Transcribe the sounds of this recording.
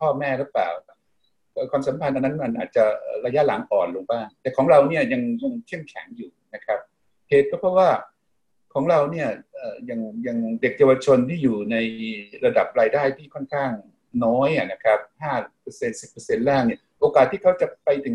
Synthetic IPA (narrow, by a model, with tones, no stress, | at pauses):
pʰɔː˥˩mɛː˥˩lɯː˦˥pa̰ː˨˩wa˥˩ | ʔəː˨˩kʰwaː˧msa˩˦mpʰa˧nʔa˧nːa˦˥nma˧nʔa̰ː˨˩t̪̚t͡ɕa˨˩ʔɤ̰ː˨˩ɾa˧ja˦˥la˩˦ŋʔɔː˨˩nloː˧ŋbaː˥˩ŋt̪ɛː˨˩kʰɔː˩˦ŋɾa˧wni˥˩ɐja˧ŋja˧ŋkʰe˥˩mkʰɛ̰˩˦ŋjuː˨˩na˦˥kʰɾa˦˥p̚ | heː˨˩t̪̚kʰɔ˥˩pʰɾɔ˦˥waː˥˩ | kʰɔː˩˦ŋɾa˧wni˥˩ɐʔəː˨˩ja˧ŋja˧ŋde˨˩k̚jaː˧wa˧t͡ɕʰo˧nt̪ʰiː˥˩juː˨˩na˧jɾa˧da˨˩p̚ɾaː˧jdaː˥˩jt̪ʰiː˥˩kʰɔ˥˩nkʰaː˥˩ŋ | nɔː˦˥jʔa˨˩na˦˥kʰa˦˥p̚haː˥˩pɤ˧se˧nsi˨˩pːɤ˧se˧nlaː˥˩ŋni˥˩ʔoː˧kaː˨˩t̪ʰːiː˥˩kʰa˦˥wt͡ɕa˨˩pa˧jt̪e˨˩ŋ